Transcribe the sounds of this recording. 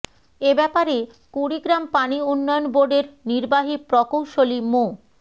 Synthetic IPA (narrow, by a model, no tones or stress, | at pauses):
ebɛpaɾe | kuɾiɡɾampaniunːɔjonboɾɖeɾniɾbaɦipɾɔkowʃolimo